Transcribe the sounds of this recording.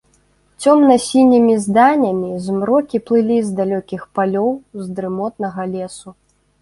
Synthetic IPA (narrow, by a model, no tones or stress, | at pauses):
t͡sʲɔmnɐsʲinʲimʲizd̪anʲɐmʲizmɾɔkʲiplˠɨlʲizd̪alʲɔkʲixpalʲɔwzd̪ɾɨmɔt̪̚nɐɣɐlʲɛsu